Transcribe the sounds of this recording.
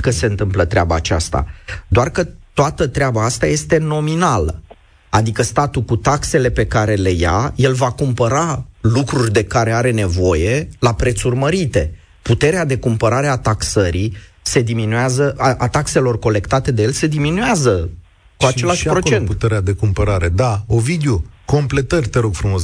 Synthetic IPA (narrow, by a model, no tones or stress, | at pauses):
kəse̞ɨnt̪ɨmplət̪ɾeaba̰ːt͡ʃa̰st̪a̰d̪oarkət̪oat̪ət̪ɾeabaːst̪aje̞st̪e̞no̞minalə̰ | a̰d̪ikəst̪at̪ukut̪akse̞le̞pe̞kaɾe̞le̞ja̰je̞lvakumpəɾalukɾurʲd̪e̞kaɾe̞aɾe̞ne̞vo̞je̞lapɾe̞t̪surməɾit̪e̞ | put̪e̞ɾead̪e̞kumpəɾaɾeat̪aksəɾi | se̞d̪iminuazəʔat̪akse̞lo̞rko̞le̞kt̪at̪e̞d̪ejelʲse̞d̪iminueazə | kuat͡ʃe̞laʃpɾoke̞ntput̪eɾead̪e̞kumpəɾaɾe̞d̪aovid̪eoko̞mple̞t̪ərʲt̪e̞ɾoɡ̥fɾumos